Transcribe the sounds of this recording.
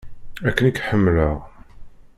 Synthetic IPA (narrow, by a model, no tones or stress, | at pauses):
ækːənikħəmːləʁ